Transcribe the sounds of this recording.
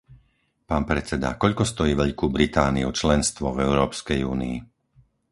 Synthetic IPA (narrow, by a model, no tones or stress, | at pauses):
paːnpɾɛt͡sɛd̪a̰kɔʎkɔst̪ɔjiːʋɛʎkuːbɾit̪aːniut͡ʃlɛnst̪ʋɔvɛʊɾɔːpskɛjuːnḭː